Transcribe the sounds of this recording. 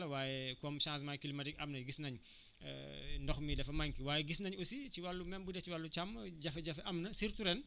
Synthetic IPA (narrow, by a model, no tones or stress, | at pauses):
lɐwaːjɛkɔmʃãːns̬majkilimɐtik̚ʲʔɐmnɐɡisnɐɲ̰ | ndɔxmidɛfɐmaŋkiwaːjɛɡisnɐɲusiciwalːumɛmbudɛt͡ʃiwalːut͡ʃɐmɟɐfɐɟɐfɛʔɐmnɐsiɾtuɾɛn